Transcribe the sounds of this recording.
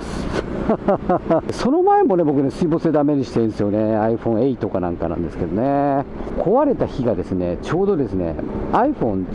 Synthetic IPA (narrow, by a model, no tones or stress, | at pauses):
so̞no̞maemo̞ne̞bo̞kɯ̟ne̞sɨibo̞sed̪ame̞ɲ̟iɕi̥t̪ẽñsɨjo̞ne̞aiɸõ̞ɰ̃eit̪o̞kanã̰ŋka̰nã̰nd̪e̞sɨ̥ke̞d̪o̞ne̞kʰo̞βaɾe̞t̪açiɡad̪e̞sɨne̞t͡ɕo̞ːd̪o̞d̪e̞sɨne̞̰aiɸõ̞n